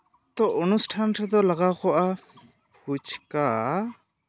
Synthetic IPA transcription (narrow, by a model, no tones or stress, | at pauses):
t̪ɔʔɔnusʈʰanɾɛd̪ɔlaɡakɔʔa | hut͡ʃka